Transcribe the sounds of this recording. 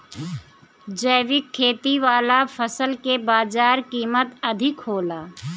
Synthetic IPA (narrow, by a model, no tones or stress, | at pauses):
d͡ʒəːʋɪkʰːeːt̪iʋaːlapʰəsəlkebaːd͡ʒaːɾkiːmət̪ɐd̪ʱɪkɦoːlaː